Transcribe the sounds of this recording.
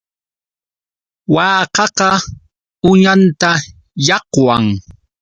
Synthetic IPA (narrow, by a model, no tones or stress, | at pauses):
waːqɑqɑ | ʊɲant̪a | jɑqwaŋ